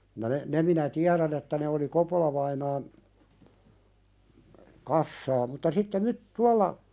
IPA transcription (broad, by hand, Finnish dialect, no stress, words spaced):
jɑ ne ne minæ tiæɾæn etːæ ne oli kopolɑʋɑinɑːn kɑsːɑː mutːɑ sitːe myt tuɑlːɑ